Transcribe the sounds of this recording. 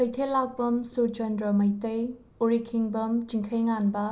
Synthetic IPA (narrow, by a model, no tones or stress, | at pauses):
kʰɐjt̪ʰelak̚bɐmsud͡ʒɐndɾɐmɐjtɐj | oɾikʰiŋbɐmt͡ʃiŋkʰɐjŋanbɐ